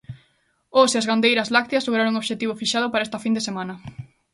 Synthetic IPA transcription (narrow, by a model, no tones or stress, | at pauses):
oseɐzɣand̪ejɾɐzlak̚t̪jɐsloɣɾaɾoŋoβʃet̪iβofiʃaðʊpaɾaest̪ɐfind̪esemãnɐ